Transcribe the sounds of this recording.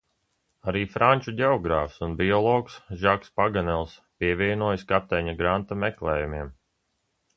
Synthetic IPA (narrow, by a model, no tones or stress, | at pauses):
aɾiːfɾanʲt͡ʃudʲɛɔɡɾaːfsunbiɔlˠɔːksʒakspaɡanɛlˠspiɛvʲiɛnuɔːjaskap̚t̪ɛɲaɡɾant̪amɛklˠɛːjumiɛm